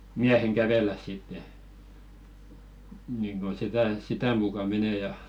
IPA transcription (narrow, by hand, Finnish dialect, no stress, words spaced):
miæheŋ kæʋelːæs sitːe niŋɡ̊o sitæ sitæ mukɑ meneˑ jɑ